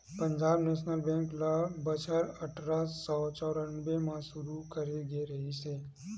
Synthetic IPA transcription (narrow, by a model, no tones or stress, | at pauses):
pə̃ɲd͡ʒaːbneːʃnəlbɛ̃ːŋklabət͡ʃəɾɐʈʰɾasːɔːt͡ʃɔːɾənbemãʃʊɾukɐɾeɡeɾɐɦiseː